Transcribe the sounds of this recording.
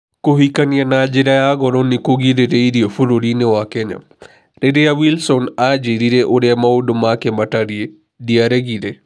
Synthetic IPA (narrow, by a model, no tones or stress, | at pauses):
koɦikanianad͡ʒɪɾajaɡɔɾɔnikoɡiɾeɾejɾiofuɾoɾinewakɛɲa̰ | ɾeɾejawilsɔnad͡ʒeɾiɾeʔoɾɛamaodomakemataɾie | diaɾeɡiɾe